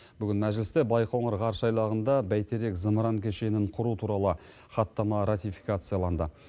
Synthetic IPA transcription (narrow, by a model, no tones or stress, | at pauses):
b̥ʏɡʲɪnmæʒlɪst̪ebɑjqo̞ɴəɾʁɑɾʃɑjlˠɑʁənd̪ɑbæjt̪ʰe̞ɾe̞kzəmɾɑŋkʲʰe̞ʃe̞nɪɴqʰʊɾut̪ʰuɾɑlˠə | χɑt̪ːɑmɑɾat̪ijfi̥kat̪sɨjalˠɑnd̪ə